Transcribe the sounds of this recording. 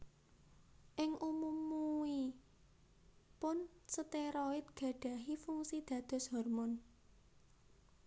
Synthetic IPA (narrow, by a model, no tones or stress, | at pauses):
ʔɪŋʔumumui | pʊnsət̪eɾɔɪt̪̚ɡ̥a̤ɖ̥a̤ɦifuŋsid̪̥ä̤d̪̥ɔ̤shɔrmɔn